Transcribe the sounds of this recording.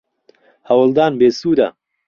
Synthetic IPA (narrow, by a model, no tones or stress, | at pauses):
hɐwəlˠd̪aːnbeːsuːd̪ɐ̰